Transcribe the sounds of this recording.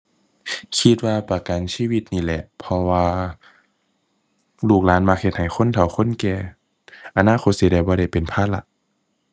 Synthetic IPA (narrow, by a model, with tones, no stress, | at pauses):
kʰi˧t̪̚waː˧pa˨˩ka˨nsiː˧˨wi˧t̪̚niː˧˩˨lɛ˧ʔpʰɔ˧waː˧ | luː˧˩k̚laː˨˦˥nma˧k̚he˧t̪̚ha˨˩jxʰo˧˥˨nt̪ʰa˨˩˦wxʰo˧˥˨nkɛː˧˩ | ʔa˧naː˧˥˨xʰo˧˦t̪̚si˧˦daː˧˩jbɔː˧ɾa˧˩jpe˨npʰaː˧˥˩t̪̚la̰˧˦ʔ